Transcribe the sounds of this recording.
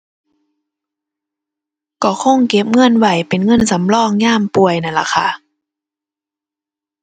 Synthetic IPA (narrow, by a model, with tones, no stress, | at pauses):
kɔː˧˩xʰo˧˥˨ŋke˧˦˥p̚ŋɤ˧˥˨nwa˧˩jpe˨˩nŋɤ˧˥˨nsa˨˦mlɔː˧˥˨ŋɲaː˥˨mpu˨əjna˧˩nla̰˧˩xʰa˧˨